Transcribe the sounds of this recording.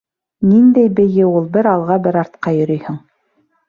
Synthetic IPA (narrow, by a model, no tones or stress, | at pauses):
nind̪æjbɘ̆jɘulˠbɘɾɑlˠʁɑbɘɾɑɾt̪̚qɑjɵ̆ɾɵjhɵŋ